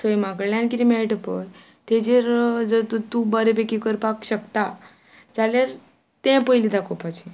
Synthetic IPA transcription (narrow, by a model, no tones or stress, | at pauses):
səjmakɽɭjãnkiɾimeɭʈəpəj | t̪ẽd͡ʑeɾd͡zəɾt̪ut̪ubəɾepekikəɾpakɕəkt̪a | d͡zalaɾ | t̪ɛ̃pəilid̪akopat͡ɕi